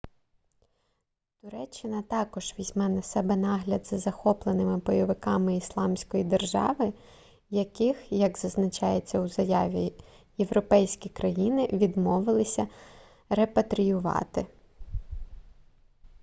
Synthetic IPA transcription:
t̪ʊɾɛt͡ʃːɪnɐt̪ɑkɔʒ̥ʋʲizʲmɛnɐsɛbɛnɑɦlʲɐd̪zɐzɐxɔplˠenɪmɪbɔjɔʋɪkɑmɪislˠɑmsʲkɔjid̪erʒɑ̰ʋɪ | jɐkɪxjɐɡzɐznɐt͡ʃɑjet͡sʲːɐuzɐjɑʋʲi | jeʋɾɔpɛjsʲkʲikɾɐjinɪʋʲid̪mɔʋɪlˠɪsʲɐ | re̞pɐt̪ɾʲijʊʋɑ̰t̪ɪ

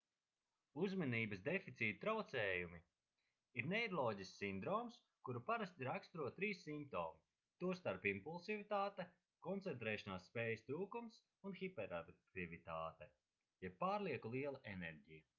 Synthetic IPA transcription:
uzmaniːbɐsd̪efit̪siːt̪ut̪ɾawt̪sɛːjumi | iɾnɛjɾlˠɔːɟissːind̪ɾɔːms | kuɾupaɾast̪ʲiɾakst̪ɾuɔt̪t̪ːɾiːsːimp̚t̪ɔ̰ːmi | t̪uɔst̪aɾpimpulˠsivit̪aːt̪ɛ | kɔnt̪sent̪ɾɛːʃanaːsːpeːjst̪ɾuːkums | unxipɛɾat̪ivit̪aːt̪ɛ | jɛbːaːɾlˠiɛkulˠiɛlˠaʔenɛɾɟijɐ

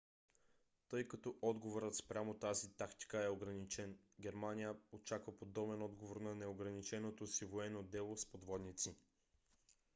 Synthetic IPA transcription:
t̪ɤjkɐt̪ɔʔɔd̪ɡovoɾət̪spɾʲamot̪azit̪akt̪i̥kəɛoɡɾɐnit͡ʃɛn | ɡʲɛɾmanijəot͡ʃakvɐpod̪ɔbɛnɔd̪ɡovoɾnɐnɛoɡɾɐnit͡ʃɛnot̪osivoɛnod̪ɛlˠospod̪vɔd̪nit̪si

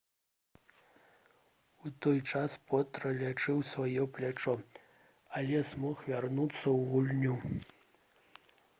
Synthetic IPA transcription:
ut̪ɔjt͡ʂaspɔt̪ɾɐlʲat͡ʂɨwsvajɔplʲat͡ʂɔ | ɐlʲɛsmɔxvʲarnut̪sːɐwɣulʲnʲu

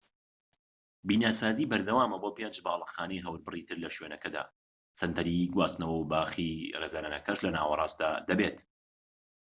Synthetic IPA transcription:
biːnaːsaːziːbɐɾd̪ɐwaːmɐboːpend͡ʒbaːlˠɑxaːnejɦɐwɾbɨrit̪ʰɨɾlɐʃweːnɐkɐd̪a̰ː | sɐnt̪ʰɐɾiɡwaːst̪nɐwɐwbaːxireːzaːnanɐkɐʃlɐna̰ːwɐrˤɑːst̪̚d̪aːd̪ɐbeːt̪

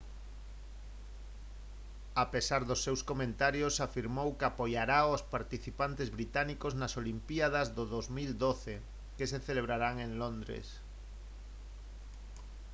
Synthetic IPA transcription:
apesaɾðosːewskomẽnt̪aɾjosafiɾmowkeapojaɾaospaɾt̪iθipant̪ezβɾit̪anikoznasolimpiaðazðoðozmild̪oθe | keseθeleβ̞ɾaɾaŋẽŋlond̪ɾḛs

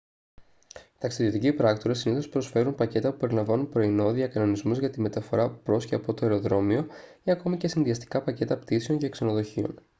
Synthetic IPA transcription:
t̪ɐksiðio̞t̪icipɾɐkt̪oɾɐsiniθo̞spɾo̞sfe̞ɾunpɐce̞t̪ɐpu̥pe̞ɾilɐɱvɐnunpɾo̞ino̞ðiɐkɐno̞nizmuzʝɐt̪ime̞t̪ɐfo̞ɾɐpɾo̞sçiɐpo̞t̪o̞eɾo̞ðɾo̞mio̞iɐko̞mice̞sinðiɐst̪i̥kɐpɐce̞t̪ɐpt̪iseo̞nceːkse̞no̞ðoçio̞̰n

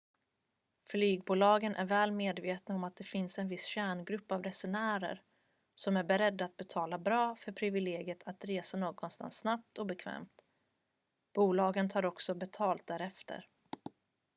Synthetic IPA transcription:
flyːɡbuːlɑːɡənʔæ̰ɾvɛːlmeːd̪veːt̪naɔmat̪̚d̪ɛfɪnsɛnvɪsɕæːɳɡɾɵpːavɾɛsʊɳæːɾə̰ɾ | sɔmæɾbɛɾɛd̪ːaːt̪̚bɛt̪ʰɑːlabɾɑːfœɾpʰɾɪvɪleːɡjət̪ʰat̪ɾeːsanoːɡɔnst̪a̰nsːnap̚t̪ɔbɛkʰvɛ̰ːmt̪ | b̥uːlɑːɡənt̪ʰɑːɾɔksɔbɛt̪ʰɑːlt̪̚d̪æːɾɛft̪ʰə̰ɾ

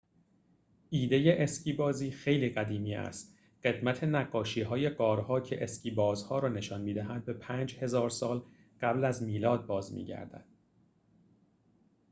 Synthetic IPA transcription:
ʔiːd̪eje̞ʔescʰiːbɒːziːxe̞jliːɡæd̪iːmiːʔæ̰st̪ | ɢ̥e̞d̪mæt̪ʰe̞næɡːɒːʃiːɦɒːje̞ɡɒːɾhɒːcʰḛʔesciːbɒːzhɒːɾɒːne̞ʃɒːnmiːd̪æɦænd̪̚be̞pʰæːnd͡ʒhe̞zɒːɾsɒːl | ɢ̥æblæzmiːlɒːd̪̚bɒːzmḭːɟæ̰ɾd̪æ̰d̪̥

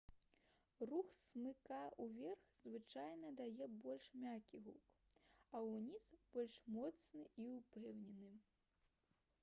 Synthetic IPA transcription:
ruxsmɨkauvʲɛrxzvɨt͡ʂajnɐd̪ajɛbɔlʲʂmʲakʲiɣuk | ɐwnʲizb̥ɔlʲʂmɔt̪snɨiupɛwnʲɛnɨ

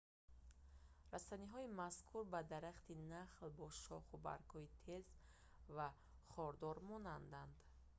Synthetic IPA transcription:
ɾasaniɦɔimaskʰuɾbad̪aɾaχt̪inaχlbɔʃɔχuba̰ɾkʰhɔit̪ʰez | va | χɔɾd̪ɔɾmɔnand̪and̪

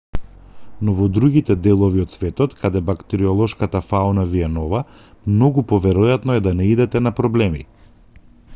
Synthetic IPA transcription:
nɔvɔd̪ɾuɡit̪ɛd̪ɛlˠɔviɔt̪svɛt̪ɔt̪kʰad̪ɛbakt̪ɛɾiɔlˠɔʃkat̪afaunaviɛnɔva | mnɔɡupɔvɛɾɔjat̪nɔɛd̪anɛid̪ɛt̪ɛnapɾɔblɛmḭ

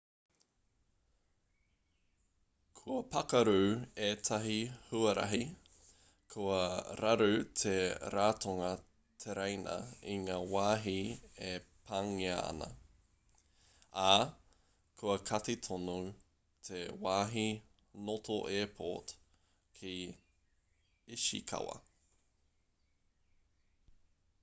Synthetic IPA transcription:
kʰuɐpɐkɐɾueːtʰɐɦihuɐɾɐ̰ɦi | kʰuɐɾɐɾʉt̪ʰeɾaːtʰoŋɐ | t̪ʰeɾejnɐ̰iŋaːwaːɦiepʰaŋiɐɐ̰nɐ̰ | a | kʰuɐkʰɐtet̪ʰonu | t̪ʰewaːɦi | notʰoʔɛːpʰo̰t | kʰi | iʃḭkʰɐ̰wɐ̰

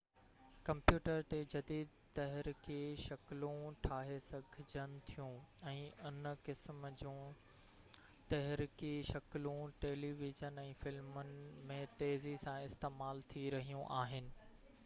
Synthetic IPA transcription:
kɐ̃mpjuːʈəɾt̪ed͡ʑɐd̪iːd̪ | t̪ɐɦɾɪkʰeʃɐklũʈʰaːɦesɐɡʱɪd͡ʑʱənɪ̆t̪ʰijũɛ̃ːʔʊnkɪsmd͡ʑũː | t̪ɐɦɾikiʃɐklũʈeːliːʋɪzənɛ̃ːfɪlmʊnɪmẽt̪eːzisãɪst̪eːmaːlt̪ʰiɾɐɦijũʔaːɦɪnɪ̆

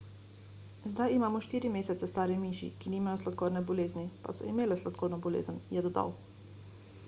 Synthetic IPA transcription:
zd̪ajimaːmɔʃt̪iːɾimeːsɛt̪ɛst̪aːɾimiːʃḭkiniːmajɔslat̪koːɾnɛbɔleːznipa̰sɔ̰imeːlɛslat̪̚koːɾnɔbɔlḛːzənjɛd̪ɔd̪a̰w

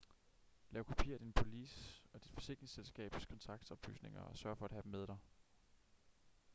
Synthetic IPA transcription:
lɛːʊkʰo̝pʰḭɐd̥inpʰo̝lḭːsɒ̽d̥id̥fɒ̽se̝ŋɡ̥ʁeŋselsɡ̥ɛ̰ːb̥skʰɒ̽nt͡sʰɑ̈ɡ̥̚d̥ɒ̽b̥ly̰ːsne̝ŋɐ̰ɒ̽sɶɐfɒ̽æ̥ɦæd̥emeð̞ˠɾ̥ɑ̈ɪ

